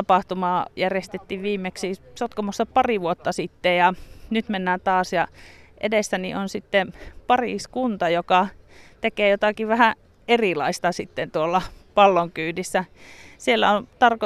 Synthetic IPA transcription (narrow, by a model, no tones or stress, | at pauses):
ɑpɑht̪umɑːjærjest̪et̪ːiʋʋiːmːeksisot̪komusːɑpɑriʋuot̪ːɑsit̪ːejɑnyt̪menːæːnt̪ɑːsjɑ | ʔḛdesːænḭonsit̪ːepɑrḭskunt̪ɑjokɑt̪ekeːjot̪ɑkiʋʋæhæ | erilɑist̪ɑsit̪ːent̪uolːɑpɑlːoŋkyːnisːæsielːæ̰ont̪ɑrko